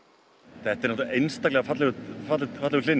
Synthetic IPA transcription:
θɛt̪ːaɾnɔt̪uʔejnst̪aklɛɣafat̪lɪɣʏfat̪lɪfat̪lɪɣʏ̥ɪnː

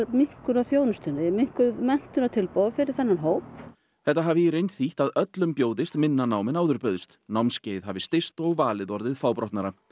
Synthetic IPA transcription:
miŋ̥kʏɾawθjownʏst̪ʏnːɪmɪŋ̥kʏðmɛn̥t̪ʏnat̪ʰɪlpowafɪɾɪɾ̥θanːanɦoːwp | θɛht̪aɦaːvɪirejnt̪θiht̪aðœt̪lʏmpjoːwðɪst̪mɪnːanaːwmɪnaːwðʏɾpœðʏst̪nawmsceːjð̥ɦavɪst̪ɪst̪ɔɣvaːlɪðɔɾðɪðfaːwpɾɔht̪naɾa

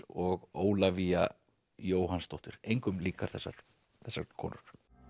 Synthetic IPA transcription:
ɔɣoːwlavia̰ | joːwɦanst̪owht̪ɪɾ̥ejŋkʏmliːkaɾ̥θɛsːa̰ɾ̥ | θɛsːaɾkʰɔ̰ːnʏɾ̥

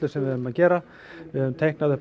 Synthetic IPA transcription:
lʏ̥sɛmvɪðɛʏmaðcɛːɾa | vɪhɛvʏmt̪ʰejhknaðɪp

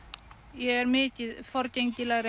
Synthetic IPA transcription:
jɛɛɾmɪcɪfɔɾceŋcɪlaɣɾɪ

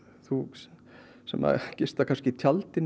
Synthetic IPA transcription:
θu | sɛ̰mːa̰cɪst̪akʰanscɪt̪ʰjalt̪ɪn

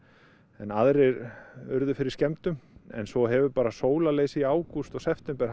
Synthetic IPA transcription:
ɛnaðɾɪɾʏ̰ɾðʏfɪɾɪɾ̥scɛmt̪ʏmɛ̰nsvɔɦɛvʏpaːɾasoːwlaleːjsɪiaːwkust̪ɔɣsɛft̪ɛmpɛɾ̥

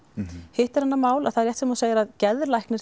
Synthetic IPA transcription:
hɪht̪ɛ̥ɾ̥hanːamaːwla̰ðθaðɾjɛht̪sɛmaseːjɪɾaðcɛðɾlajhknɪɾ

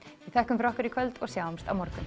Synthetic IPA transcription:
iθɛhkʏmfɾɔhkʏɾɪkʰvœlt̪ɔɣsjaːwamst̪a̰wmɔɾkʏn

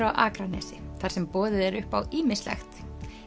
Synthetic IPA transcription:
ɾawʔa̰ːkɾanɛ̰ːsɪθaɾ̥sɛmpɔːðɪðɛɾʏhpawiːmɪslɛ̰xt̪

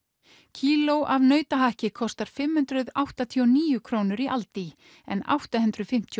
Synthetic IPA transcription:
cʰiːlowʔavnœːɥt̪aɦahcɪkʰɔst̪aɾ̥fɪmhʏnt̪ɾʏðawht̪at̪ʰiɔniːjʏkʰɾownʏɾiʔalt̪i | ɛ̰na̰wht̪aɦʏnt̪ɾʏðfɪm̥t̪ʰj

